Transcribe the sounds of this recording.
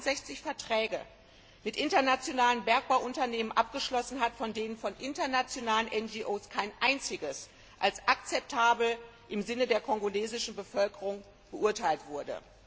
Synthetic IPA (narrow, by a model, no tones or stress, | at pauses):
tz̥ɛçt͡sɪçfɛɐtʁ̥ɛːɡə | mɪtʔɪntɐnat͡sjonaːlənbɛɐk̚b̥aʊʔʊntɐneːmənʔap̚ɡ̥əʃlɔsn̩ɦatfɔndeːnənfɔnʔɪntɐnat͡sjonaːlənʔɛnd͡ʒiʔoːskʰaɪnʔaɪnt͡sɪɡəs | ʔalsʔakt͡sɛp̚tʰaːbl̩ | ʔɪmzɪnədeːɐkʰɔŋɡoleːzɪʃn̩bəfœlkəʁʊŋ | b̥əʔʊɐtʰaɪltv̥ʊɐdə̰